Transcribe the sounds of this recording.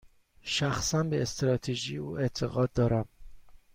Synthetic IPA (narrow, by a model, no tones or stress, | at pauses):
ʃæxsænbeːst̪ɾɒːt̪ʰeʒiːuːʔe̞t̪ʰe̞ɣɒːd̪̚ːɒːɾæm